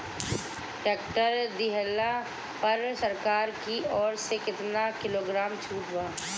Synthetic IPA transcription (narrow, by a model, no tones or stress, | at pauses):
ʈeːkʈəɾd̪ɪɦəla | pɐɾsəɾkaːɾkiɔːɾsekɪt̪nakɪloːɡɾaːmt͡ʃʰuːʈʰwaː